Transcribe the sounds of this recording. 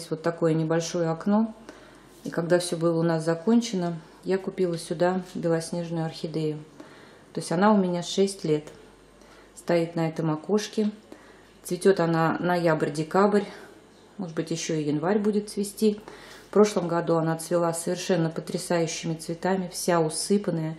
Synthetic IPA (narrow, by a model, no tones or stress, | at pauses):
sʲtʲvo̞t̪ːɐko̞jənʲɪbɐlʲʂo̞jəɐkno̞ | ikɐɡd̪afsʲɵbɨlˠəʊnaszɐko̞nʲt͡ɕɪnə | jakʊpʲilˠəsʲʊd̪abʲɪlˠɐsʲnʲe̞ʐnʊjʊɐrxʲɪd̪ʲejʊ | t̪o̞ɪsʲtʲanaʊmʲɪnʲaʂɛsʲtʲlʲe̞t̪ | st̪ɐit̪nɐɛt̪əmɐko̞ʂkʲɪ | t̪svʲɪtʲot̪ananɐjabrʲdʲɪkabrʲ | mo̞ʐɨd̪bɨtʲjɪɕːo̞ijɪnvaɾʲbudʲɪt̪svʲɪsʲtʲifpɾo̞ʂlˠəmɡɐd̪uanat̪svʲɪlˠasːəvʲɪrʂɛnːəpət̪ɾʲɪsajʉɕːɪmʲɪt̪svʲɪt̪amʲɪfsʲaʊsɨpənəjə